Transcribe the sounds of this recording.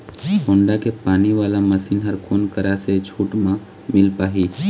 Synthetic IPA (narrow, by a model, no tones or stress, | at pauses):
ɦõːɳɖakepaːniʋaːlaməsiːnɦəɾkoːnkəɾaset͡ʃʰuːʈmã | mɪlpaːɦi